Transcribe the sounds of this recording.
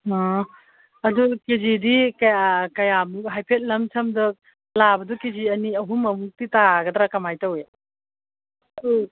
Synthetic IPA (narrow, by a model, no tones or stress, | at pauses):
ɔ | ɐdukezidikkɐjamɦajpʰet̚lɐmt͡ʃʰɐmdɯ | labɐdukeziɐniɐɦumːɐmuk̚titaɡɐtɾakɐmajtɐwe